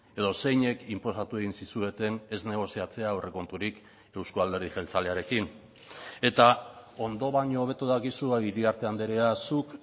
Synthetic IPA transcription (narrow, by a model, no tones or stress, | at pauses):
e̞ðo̞se̞jɲe̞kimpo̞sat̪ue̞ɣinsisue̞t̪e̞ne̞zne̞ɣ̞o̞siat͡se̞awre̞ko̞nt̪uɾik | e̞wskoald̪e̞ɾðiʝe̞lt͡saleaɾe̞kin | e̞t̪ao̞nd̪o̞βaɲo̞ːβ̞e̞t̪uðakisuaiɾiaɾt̪e̞and̪eɾeasuk